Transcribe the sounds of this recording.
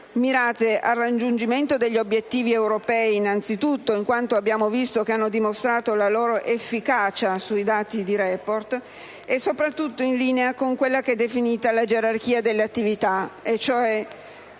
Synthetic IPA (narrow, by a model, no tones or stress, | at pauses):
miɾaːt̪eʔarːad͡ʒund͡ʒiment̪od̪eʎːobːjet̪ːiːviewɾopɛːiːnant̪sit̪ut̪ːoiŋkwant̪oabːjaːmovist̪okeanːod̪imost̪ɾaːt̪olaloːɾoʔefːikaːt͡ʃasuid̪aːt̪id̪iɾɛport̪ | esːopɾat̪ːut̪ːoinliːneakoŋkwelːakɛd̪ːefiniːt̪alad͡ʒeɾark̟iːad̪elːeat̪ːivit̪aet͡ʃːoɛ